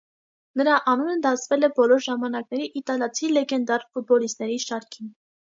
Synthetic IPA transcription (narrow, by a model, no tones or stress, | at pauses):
nəɾɑʔɑnunəd̪ɑt͡sʰvɛlɛbɔlɔɾʒɑmɑnɑknɛɾiʔit̪ɑljɑt͡sʰilɛɡɛnd̪ɑɾfut̪̚bɔlist̪̚nɛɾiʃɑɾkʰin